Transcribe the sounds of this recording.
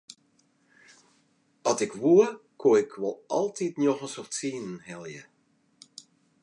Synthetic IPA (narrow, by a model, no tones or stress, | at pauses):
ɑtɪkʋuəkʰoɪkʰʋɔlˠʔɑ̰lˠtʰitnjoxənsɔftsiːnənhɛlˠjə